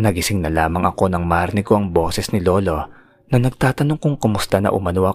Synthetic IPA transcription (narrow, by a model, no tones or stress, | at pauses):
nɐɡɪsɪŋnɐlaːmɐŋʔɐko̞nɐŋmaɾnɪko̞ʔɐŋbo̞ːsɛsnɪlo̞ːlo̞ | nɐnɐɡ̚t̪aːt̪ɐnoŋkʊŋkɐmʊst̪anɐ̰ʔʊ̰mɐnoʔɐ